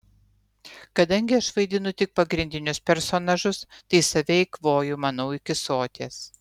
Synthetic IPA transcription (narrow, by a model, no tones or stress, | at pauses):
kɐd̪ɐŋʲɡʲɪɐʃʋɐɪd̪ʲɪnʊt̪ʲɪk̚pɐɡɾʲɪnʲd̪ʲɪnʲʊspʲɛɾsoːnɐʒʊst̪ɐɪsɐʋʲɛɪkʋoːjʊmɐnɐʊɪkʲɪsoːt̪ʲeːs